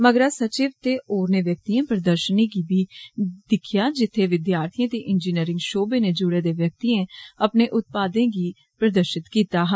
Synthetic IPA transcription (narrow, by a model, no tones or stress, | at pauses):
məɡɾaːsət͡ʃiːʋt̪eːʔoːɾneːʋjək̚t̪iːẽːpɾəd̪əɾʃəniːɡiːbiːd̪ɪkʰɪjaːd͡ʒɪt̪ʰːeːʋɪd̪jaːɾt̪ʰijãːt̪eːʔɪnd͡ʒiːniːɾɪ̃ŋɡʃoːbeːneːd͡ʒʊɽeːd̪eːʋjək̚t̪iːẽːəpneːʔʊt̪̚paːd̪ẽːɡiː | pɾəd̪əɾʃɪt̪kiːt̪aːɦaː